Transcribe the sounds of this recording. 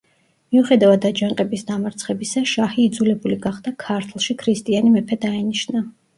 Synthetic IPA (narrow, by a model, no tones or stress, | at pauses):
miuχɛd̪avad̪ad͡ʒaŋqʼɛbisd̪amaɾt̪sʰχɛbisaʃahiːd̪zulɛbuliɡaχd̪akʰaɾt̪ʰlˠʃikʰɾist̪ʼianimɛpʰɛd̪aɛniʃna